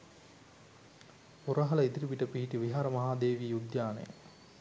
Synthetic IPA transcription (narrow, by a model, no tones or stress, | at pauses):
puɾɐɦɐlɐid̪iɾipiʈəpiɦiʈiʋiɦaːɾɐmɐɦaːd̪eːʋiejud̪jaːnḛjə̰